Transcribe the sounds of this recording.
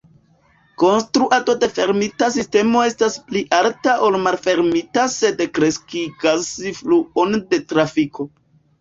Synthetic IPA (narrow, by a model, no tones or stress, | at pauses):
ko̞nstɾuʔato̞de̞fe̞ɾmitasiste̞mo̞e̞staspliʔaltaʔolmalfe̞ɾmitase̞dkɾe̞skiɡasifluo̞nde̞tɾafikʰo̞